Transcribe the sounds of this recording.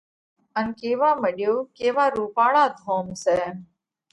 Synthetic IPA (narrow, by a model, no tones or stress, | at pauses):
ənkeːʋãːməɗjoːkeːʋaːɾuːpaːɭaːd̪ʱõːmsɛː